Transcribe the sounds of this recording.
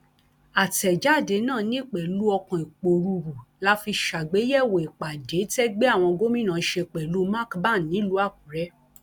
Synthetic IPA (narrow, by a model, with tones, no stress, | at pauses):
a˨tɛ˨d͡ʒa˦˨de˨˦nãː˦˨nĩ˦˨k͡pɛ˨lu˦ɔ˧kã˨i˨k͡po˨ɾu˧ɾu˨la˦fi˧ʃa˨ɡ͡be˨˦jɛ˦˨we˨i˨k͡pa˨de˨˦tɛ˦ɡ͡be˦a˦˨w̃ɔ̃˧ɡo˦mĩ˦nã˨˧˦ʃe˧˨k͡pɛ˨lu˨˦ma˦˨kba˦˨n˨nːĩ˨˦lu˨˦a˦˨k̚ũ˨˦ɾɛ˦